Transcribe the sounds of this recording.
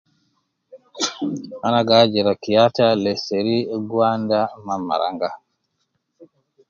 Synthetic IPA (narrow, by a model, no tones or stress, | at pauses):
ʔanaɡad͡ʒɛɾakijatalɛseɾiɡwandamamːa̰ɾa̰ŋɡa